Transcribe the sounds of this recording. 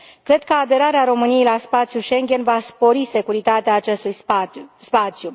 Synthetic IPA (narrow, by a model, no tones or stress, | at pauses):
kɾe̞d̪̚kəad̪e̞ɾaɾeaɾo̞mɨnije̞jlaspat̪sjuʃe̞ŋɡʲe̞nvaspo̞ɾise̞kuɾit̪at̪eaːt͡ʃe̞st̪ujspat̪sju